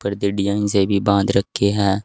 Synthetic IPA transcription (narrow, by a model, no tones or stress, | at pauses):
pəɾd̪ɪɖijãːnsebʱibãːnd̪ɾəkʰːeɦɛ̃ː